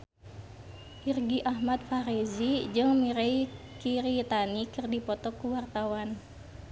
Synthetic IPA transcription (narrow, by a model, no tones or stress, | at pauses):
ʔirɡiʔaɦmat̪̚faɾezid͡ʒɨŋmiɾei | kiɾit̪anikɨrdipɔt̪ɔkːuwart̪awan